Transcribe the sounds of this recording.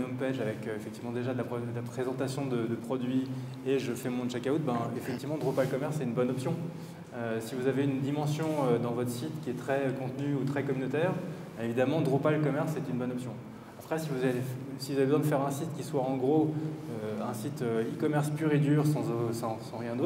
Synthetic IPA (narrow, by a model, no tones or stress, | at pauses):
nɔ̃pɛʒavɛkøefɛk̚t̪ivmɑ̃d̪eʒad̪əlapχɔɛd̪əlapχezɑ̃t̪asjɔ̃d̪əd̪əpχɔd̪ɥi | eʒəfɛmɔ̃ʒakaut̪̚bɛ̃efɛk̚t̪ivmɑ̃d̪ʁupalkɔmɛʁsɛt̪ynbɔnɔpsjɔ̃ | øsivuzaveynd̪imɑ̃sjɔ̃ød̪ɑ̃vɔt̪χə̥sit̪kʲiɛt̪χɛkɔ̃t̪nyut̪χɛkɔmynot̪ɛːʁ̃ | evid̪amɑ̃d̪ʁupalkɔmɛʁsɛt̪ynbɔnɔpsjɔ̃ | apχɛsivuzaesivuzavebəzwɛ̃d̪əfɛʁɛ̃sit̪kʲiswaɑ̃ɡʁoøɛ̃sit̪øikɔmɛʁspyʁed̪yʁsɑ̃osɑ̃sɑ̃ʁjɛ̃d̪ot̪